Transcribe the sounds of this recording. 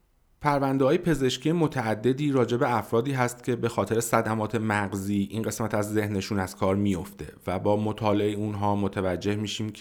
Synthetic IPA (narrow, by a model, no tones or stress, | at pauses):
pʰæɾvænd̪eɦɒːjepʰe̞ze̞ʃcʰiːjemo̞t̪ʰæːd̪ːe̞d̪iːɾɒːd͡ʒe̞be̞æfɾɒːd̪iːɦæst̪cʲʰe̞be̞xɒːt̪ʰe̞ɾesæd̪æmɒːt̪ʰe̞mæɢziːʔiːnɢe̞smæt̪ʰæzːe̞hne̞ʃuːnæz̥kʰɒːɾmijo̞ft̪e̞̰væbɒːmo̞t̪ʰɒːleeeunɦɒːmo̞t̪ʰævæd͡ʒːe̞hmiːʃiːmʰ